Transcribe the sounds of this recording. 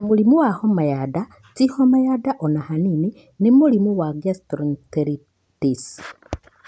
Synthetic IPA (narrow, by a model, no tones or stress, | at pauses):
mulimuwahomajada | t͡sihomajadaʔonahanini | nimulimuwaɡjastɾonteɾi | tis